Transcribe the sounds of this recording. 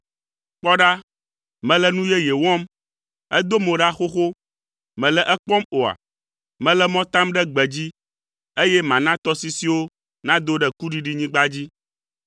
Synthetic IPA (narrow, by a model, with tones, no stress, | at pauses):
k͡pɔ˦ɖa˦ | mɛ̃˨lɛ˦nũ˦jɛ˦je˨wɔ̃˦m | ɛ˦d̪o˦mõ˨ɖa˦xo˦xo˦ | mɛ̃˨lɛ˦ʔɛ˦k͡pɔ˦mo˨a̰˨ | mɛ̃˨lɛ˦mɔ̃˦t̪ã˦mɖɛ˦ɡ͡bɛ˨d͡ʑi˦ | e˦jɛ˦mã˨nã˦t̪ɔ˦si˦si˦wo˦ | nã˦d̪o˦ɖɛ˨ku˦ɖi˨ɖi˦ɲĩ˦ɡ͡ba˦d͡ʑi˦